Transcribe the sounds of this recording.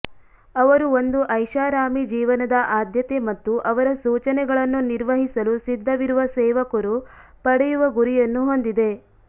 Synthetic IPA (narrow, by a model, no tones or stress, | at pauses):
ɐʋɐɾuo̞nd̪uʔɐjʃaːɾaːmid͡ʒiːʋɐnɐd̪ɐʔaːd̪ʱjɐt̪emɐt̪ːuʔɐʋɐɾɐsuːt͡ʃɐnɛɡɐɭɐnːuniɾʋɐɦisɐlusid̪ʱːɐʋiɾuʋɐsɛːʋɐkɐɾupɐɽɛjuʋɐɡuɾijɐnːuɦo̞nd̪id̪e̞